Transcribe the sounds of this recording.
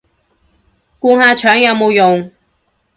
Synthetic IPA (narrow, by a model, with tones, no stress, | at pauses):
kuː˧ŋhaː˧t͡ʃʰœː˨˥ŋjɐ˨˧wmo˨˧wjʊ˨ŋ